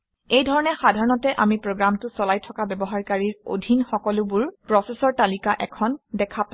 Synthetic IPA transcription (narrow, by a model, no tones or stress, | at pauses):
ejdʱɔɹɔnɛxadʱaɹɔnɔtɛʔamipɹoɡɹamtʊsɔlajtʰɔkabɛbɔɦaɹkaɹiɹo̰dʱinxɔkɔlʊbʊɹpɹɔsesɔɹtalikaʔɛkʰɔndɛkʰapa